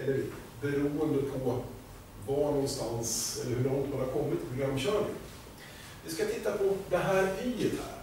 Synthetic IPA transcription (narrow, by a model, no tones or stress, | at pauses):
ɛlːəɾ | bɛɾuːənd̪əpʰɔ | vanɔnst̪ansɛlːəɾhɵnɔnt̪ʰad̪ɛhaɾkʰɔmːɪt̪ːpʰɾʊɡɾamːɕœːɳɪ̰ŋ | vɪskat̪ʰɪt̪ːapʰɔd̪ɛɦæːɾifæ̰ːɾ